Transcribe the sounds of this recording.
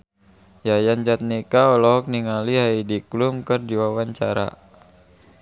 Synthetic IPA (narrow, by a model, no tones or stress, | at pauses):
jajand͡ʒat̪̚nikaɔlɔɦɔk̚niŋaliɦaidiklumkɨrdiwawaɲt͡ʃaɾa̰